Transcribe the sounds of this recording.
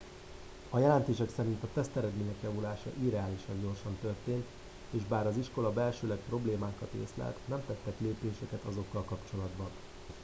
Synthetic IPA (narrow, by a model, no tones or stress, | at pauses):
ɒjɛlɛnt̪eːʃɛksɛɾint̪ɒt̪ɛst̪ɛɾɛd̪meːɲɛkjɒvulaːʃɒ̰ʔiɾɛaːliʃɒɲɟo̞rʃɒnt̪ø̞rt̪eːnt̪ | eːʒbaːɾɒziʃko̞lɒbɛlʃøːlɛk̚pro̞bleːmaːkɒt̪ḛːslɛ̰lt̪nɛmt̪ɛt̪ːɛkleːpeːʃɛkɛt̪ɒzo̞kːɒlkɒpt͡ʃo̞lɒd̪bɒn